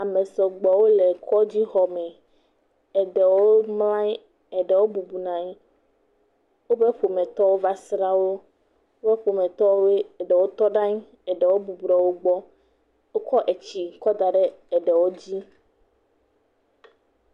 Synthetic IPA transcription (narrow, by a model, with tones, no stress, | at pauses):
a˨me˨sɔ˨ɡ͡bɔ˨wo˦le˨kʰɔ˦d͡ʑi˦xɔ˨mɛ̃˨ | ɛ˨ɖɛ˨wo˦mlã˦ | ɛ˨ɖɛ˨wo˦bu˨bu˨nã˨ɲi˦ | wo˦be˦ɸo˨mẽ˨t̪ɔ˦wo˦va˦sɾa˦wo˦ | o˦bɛ˦ɸo˨mẽ˨t̪ɔ˦wo˦we˦ɛ˨ɖɛ˨wo˦t̪ɔ˦ɖã˦ɲi˦ | ɛ˨ɖɛ˨wo˦bu˨bu˨ɖɔ˨wo˦ɡ͡bɔ˦ | wo˦kɔ˦ʔe˨t͡ɕi˨kɔ˦d̪a˨ɖɛ˦ɛ˨ɖɛ˨wo˦d͡ʑi˦